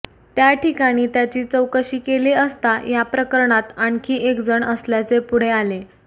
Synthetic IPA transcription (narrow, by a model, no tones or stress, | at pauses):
t̪jaʈikaɽ̃iːt̪jat͡ɕiːt͡səwkəɕiːkeliəst̪ajapɾəkəɾɳat̪aɳkʰiːʔekd͡zəɳəsljat͡sepuɽ̤eale